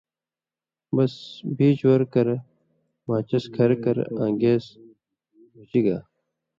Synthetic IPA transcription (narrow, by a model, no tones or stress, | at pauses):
bɐsbʱiːt͡ɕwɐɾkɐɾ | maːt͡ɕɐskʰɐɾkɐɾãːŋɡeːz | mud͡ʑiɡaː